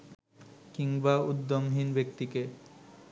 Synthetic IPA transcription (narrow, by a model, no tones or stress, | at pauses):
kiŋbaud̪ːomɦinbek̚t̪ike